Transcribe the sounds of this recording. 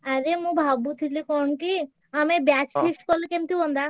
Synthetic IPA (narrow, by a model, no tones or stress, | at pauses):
aɾemũbʱabut̪ʰilikɔnki | amebjat͡ʃpʰesʈkɔlekemt̪ibɔnd̪a